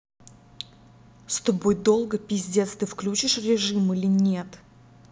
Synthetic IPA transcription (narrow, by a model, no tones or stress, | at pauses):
st̪obojd̪o̞lˠɡəpʲɪzʲdʲet̪st̪ɨfklʲut͡ɕɪʂrʲɪʐɨmɨlʲɪnʲet̪